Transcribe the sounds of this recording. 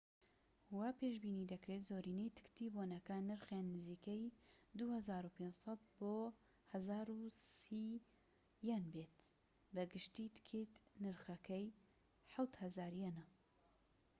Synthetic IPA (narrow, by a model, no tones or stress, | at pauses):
huwaːpeːʃbiːnid̪ɐkɾeːt̪zoːɾiːnejt̪ʰɨ̥kt̪iboːnɐkɐnɨɾxenːɨziːkɛjd̪uhɐzaːɾupʰeːnsˤɑt̪̚boː | hɐzaːɾusi | jɛnbeːt̪ | bɨɡɨʃt̪iːt̪kʰeːt̪nɨɾxɐkɛj | ħawt̪hɐzaːɾjɛnɐ